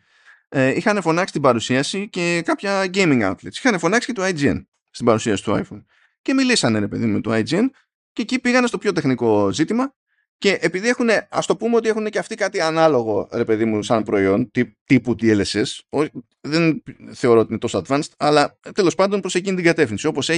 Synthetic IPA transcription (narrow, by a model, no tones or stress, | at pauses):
eixɐne̞fo̞nɐksi̥t̪ibɐɾusiɐsice̞kɐpçɐɟejmiŋɡɐ̰ut̪lḭt̪si̥xɐne̞fo̞nɐksi̥ce̞t̪uajd͡ziḛn | st̪ibɐɾusiɐsi̥t̪ua̰jfon | ce̞milisɐne̞ɾe̞pe̞̰ðimumet̪uɐjd͡zien | ceːcipiɣɐne̞st̪o̞pçot̪exniko̞zit̪imɐ | ce̞ʔepiðie̞xune̞ɐ̰st̪o̞pumeo̞t̪iexuneceɐft̪ikɐt̪iɐnɐlo̞ɣo̞ɾe̞pe̞ðimusɐnpɾo̞io̞nt̪it̪iput̪ieleseso | ðe̞nθe̞o̞ɾot̪ine̞t̪o̞soɐd̪vɐnst̪ɐlɐt̪e̞lo̞spɐnd̪o̞npɾo̞se̞cinit̪iŋɡɐt̪e̞fθinsio̞po̞se